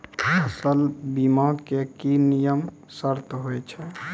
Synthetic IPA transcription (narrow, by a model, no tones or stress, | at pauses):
əsəlbimaɡkekinijəm | səɾt̪ɦojt͡ʃʰɛ